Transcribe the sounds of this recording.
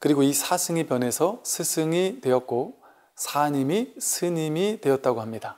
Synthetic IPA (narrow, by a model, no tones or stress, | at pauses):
kɯɾiɡoisʰasʰɯŋipjʌne̞sʰʌsʰɯsʰɯŋitwe̞jʌtk̚k͈o | sʰaɲimisʰɯɲimidwe̞jʌt̚t͈aɡoɦamɲida